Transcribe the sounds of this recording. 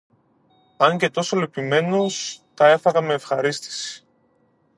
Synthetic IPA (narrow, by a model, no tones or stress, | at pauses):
ɐɲce̞t̪o̞solipime̞no̞st̪ɐe̞fɐɣɐme̞ːfxɐɾist̪i̥si̥